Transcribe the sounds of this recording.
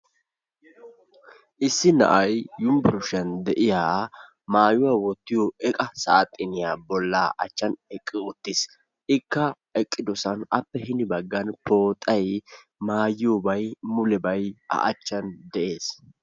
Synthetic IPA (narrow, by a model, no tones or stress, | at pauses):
ʔɪsːɪnɐ̰ʔɐjːʊmbɪɾʊʃɐnd̪ɛʔɪjaː | maːjʊwaːwɔt̪ːɪjɔʔɛkʼɐsaːt̪ʼːɪnɪjaːbɔlːaːʔɐ̰t͡ʃːɐnɛkʼːɪʊt̪ːɪs | ʔɪkːɐ | ɛkʼːɪd̪ɔsɐnɐpːɛhɪnɪbɐɡːɐnpo̞ːt̪ʼːɐj | maːjɪjobɐjmʊlɛbɐjɐ̰ʔɐt͡ʃːɐnd̪ɛʔe̞ːs